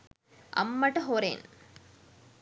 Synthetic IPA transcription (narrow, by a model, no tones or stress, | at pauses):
ʔɐ̰mːɐʈɐɦoɾḛːn